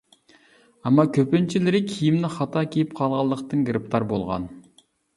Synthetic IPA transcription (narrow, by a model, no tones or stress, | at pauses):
ɑmːɑkʲʰøpynt͡ʃʰilɪɾɪkʲʰijimnɪχɑt̪ʰɑkʲʰejipqʰɑlˠʁɑlˠːəqt̪ənɡɾɨp̚t̪ʰɑɾbolˠʁɑ̰n